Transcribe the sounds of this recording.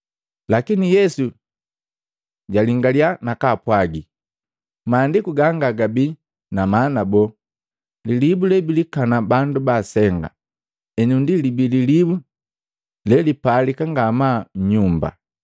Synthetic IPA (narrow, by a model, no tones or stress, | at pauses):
lakinijɛsu | ɟaliŋɡaljanakapwaɡi | maːndikuɡaŋɡaɡabi | namanabɔ | lilibulɛbilikanabandubasɛŋɡa̰ | ɛɲundilibililibu | lɛlipalikaŋɡamaɲɲumba̰